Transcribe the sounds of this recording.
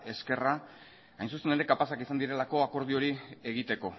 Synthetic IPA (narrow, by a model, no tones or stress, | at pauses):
e̞ske̞ra | ajnsusene̞ɾe̞kapasakisand̪iɾe̞lako̞ako̞ɾð̞io̞ɾie̞ɣit̪e̞ko̞